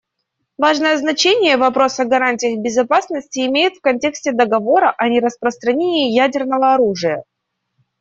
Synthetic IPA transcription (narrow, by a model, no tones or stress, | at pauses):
vaʐnəjəznɐt͡ɕenʲɪjəvɐpɾo̞sɐɡɐɾanʲtʲɪjəxbʲɪzɐpasnəsʲtʲɪɪmʲejɪt̪fkɐnʲtʲe̞ksʲtʲɪd̪əɡɐvo̞ɾəʔɐnʲɪɾəspɾəst̪ɾɐnʲenʲɪːjædʲɪrnəvəɐɾuʐɨjə